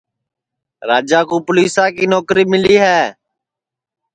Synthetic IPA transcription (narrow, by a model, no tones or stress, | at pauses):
ɾaːd͡ʒaːkũːpʊliːsãːkiːnoːkɾiːmɪliːɦɛː